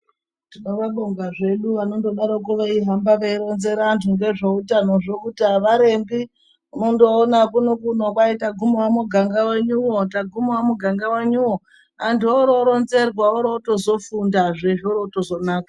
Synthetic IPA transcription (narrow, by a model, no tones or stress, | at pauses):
tino̞ʋaɓoŋɡaʐe̞ɗuʋano̞ndo̞ɗaɾok̬uʋaiɦambaʋeiɾo̞nze̞ɾantʰuŋɡe̞ʐoutano̞ʐokutaʋaɾe̞mbi | uno̞ndo̞ːnakunokuno̞kwaitaɡʱumwamuɡʱaŋɡaweɲuwo̞taɡʱumowamuɡʱaŋɡaweɲuwo | antuoɾo̞ɾo̞nze̞rwaoɾoto̞zo̞fundaʐeʐoɾotozo̞naːkḁ